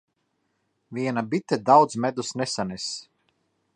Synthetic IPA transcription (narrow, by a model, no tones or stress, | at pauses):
viɛnabit̪ɛd̪awd̪zmɛd̪usnesanɛs